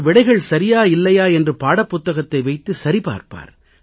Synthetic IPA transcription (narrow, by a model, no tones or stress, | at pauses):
ʋɪɽɐɪɣɐɭsɐɾɪjaːɪlːɐjaːɛndrɯpaːɽɐpːʊt̪ːɐɣɐt̪ːɐɪʋɐɪt̪ːɯsɐɾipa̰ːɾpa̰ːɾ